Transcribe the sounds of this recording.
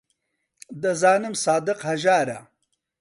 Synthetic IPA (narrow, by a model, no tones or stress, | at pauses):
d̪əzaːnɪmsɑːd̪ɪqhɐʒaːɾa